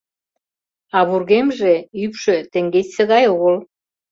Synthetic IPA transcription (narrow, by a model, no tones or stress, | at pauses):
ɑβurɣemʒeypʃø̆t̪ĕŋɡet͡ɕsə̆ɣɑjoɣəl